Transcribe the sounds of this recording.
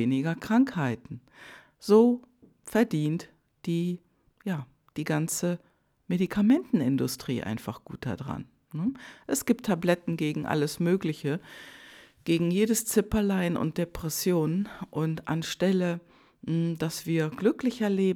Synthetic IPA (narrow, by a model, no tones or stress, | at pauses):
eːnɪɡɐkʁ̥aŋkhaɪtn̩ | z̥oː | fɛɐdiːnt | d̥iː | jaː | d̥iːɡant͡sə | medikʰamɛntn̩ɪndʊstʁ̥ḭːʔa̰ɪnfaχɡ̥ṵːt̚d̥a̰dʁa̰n | nəʔɛsɡ̥iːp̚tʰːablɛtn̩ɡeːɡŋ̩ʔa̰ləsmøːklɪçə | ɡ̥eːɡŋ̩jeːdəst͡sɪpɐlaɪnʊ̰nt̚d̥epʁ̥ɛsjoːnʔʊntʔa̰nʃtɛlə | d̥asv̥iːɐɡ̥lʏklɪçɐɐleːb